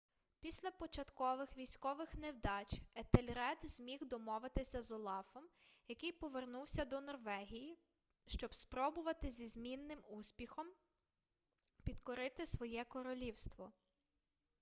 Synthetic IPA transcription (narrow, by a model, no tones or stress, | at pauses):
pʲisʲlʲɐpɔt͡ʃɐt̪kɔʋɪxʋʲijsʲkɔʋɪxnewd̪ɑt͡ʃet̪elʲɾɛd̪z̥ʲmʲixd̪ɔmɔʋɪt̪ɪsʲɐzɔlˠɑfɔmjɐkɪjpɔʋernuwsʲɐd̪ɔnɔrʋɛɦʲiji | ʃt͡ʃɔbspɾɔbʊʋɐt̪ɪzʲizmʲinːɪmusʲpʲixɔm | pʲid̪kɔɾɪt̪ɪsʋɔjɛkɔɾɔlʲiwst̪ʋɔ